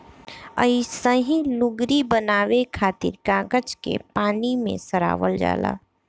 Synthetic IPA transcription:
əisəɦĩlʊɡɾibənaːʋekʰaːt̪ɪ̰ɾkaːɡət͡ʃkḛpaːnimḛ̃səɾa̰ːʋəld͡ʒa̰ːla̰ː

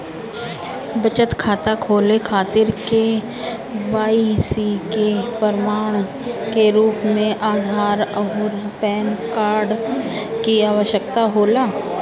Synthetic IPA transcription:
bət͡ʃət̪kʰaːt̪akʰoːlekʰaːt̪ɪɾke | baːisikepəɾmaːɽ̃ | keɾuːpmẽʔaːd̪ʱaːɾəɦʊɾpɛːnkaːɾɖkiaːʋəʃjəkt̪aɦoːlaː

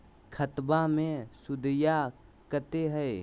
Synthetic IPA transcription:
kʰət̪bamẽsʊd̪əjakət̪eɦɛ

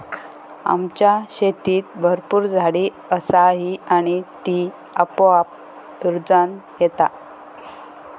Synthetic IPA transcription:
a̰mt͡ɕjaɕet̪iːt̪̚bʱəɾpuːɾd͡zʱaɽiː | əsaɦiaɽ̃it̪i | əpoap̚ | ɾd͡zanjet̪a̰

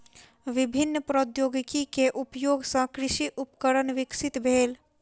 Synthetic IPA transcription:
ʋibʱinːpɾod̪joɡkikeʔupjoɡsə̃kɾɪʃiʔupkəɾənʋɪksit̪bʱeːl

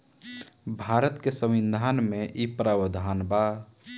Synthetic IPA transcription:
bʱaɾət̪kesə̃mind̪ʱanmeʔipɾabəd̪ʱanba

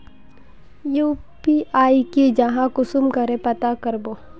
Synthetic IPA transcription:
juːpiaːikid͡ʒɐɦãkʊsʊmkɐɾẽpɐt̪akɐɾboː

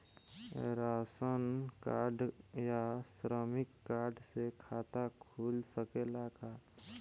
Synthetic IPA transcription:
ɾaːsənkaːɾɖjasɾəmɪkːaːɾɖsekʰaːt̪akʰuːlsəkelaːkaː

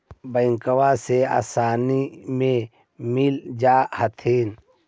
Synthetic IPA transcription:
bəɪ̃ŋkəwasea̰ːsaːnimẽ | mɪld͡ʒaːhət̪ʰiːn

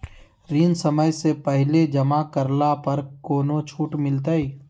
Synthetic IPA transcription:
ɾiːnsəməjsepəɦled͡ʒəmakəɾlapəɾkoːnot͡ʃʰuːʈmɪlt̪ai

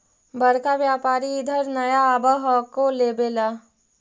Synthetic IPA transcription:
bəɾkaʋjaːpaːɾiɪd̪ʱəɾnɐjaːbəɦɔkoleːbeːla

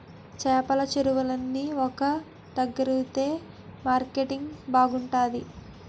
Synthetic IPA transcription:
t͡ʃɛːpɐlɐt͡ʃeɾuʋɐlɐnːiɔkɐ | d̪ɐɡːɐɾuut̪e̞ː | maːɾkeʈiŋɡbaːɡuɳʈaːd̪i

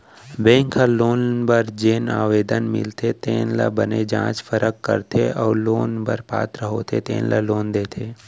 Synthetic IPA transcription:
bẽːŋkʰaloːnbəɾd͡ʒeːnaːʋeːd̪ənmɪ̰lt̪ʰet̪eːnla̰bəned͡ʒã̰ːt͡ʃfʰəɾəkːə̰ɾt̪ʰeʔɔːɾloːnbəɾpa̰ːt̪ɾəɦot̪ʰḛt̪ḛ̃ːnlʔaloːnd̪eːt̪ʰeː

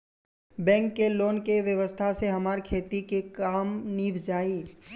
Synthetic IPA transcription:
bɛ̃ːŋkːeloːnkeʋjəʋəst̪ʰaseɦɐmaːɾkʰeːt̪ikekaːmniːbd͡ʒaːiː

